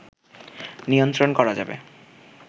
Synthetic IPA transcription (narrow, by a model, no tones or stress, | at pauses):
niont̪ɾonkɔɾad͡ʑa̰bḛ